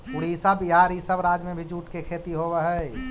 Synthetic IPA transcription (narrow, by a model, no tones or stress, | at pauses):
pʊɽiːsabiɦaːɾɦisəbɾaːd͡ʒmẽbʱid͡ʒuːʈkekʰeːt̪iɦoʋəɦɛ